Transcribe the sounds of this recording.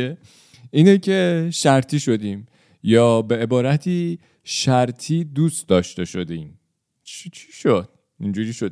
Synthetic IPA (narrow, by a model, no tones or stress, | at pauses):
e | iːnecʰe̞ʃæɾt̪ʰiːʃo̞d̪iːm | jɒːbe̞ebɒːɾæt̪ʰiː | ʃæɾt̪ʰiːd̪uːst̪d̪ɒːʃt̪e̞ʃo̞d̪em | t͡ʃʰit͡ʃʰi̥ʃod̪̥̚ | ind͡ʒuːɾiːʃod̪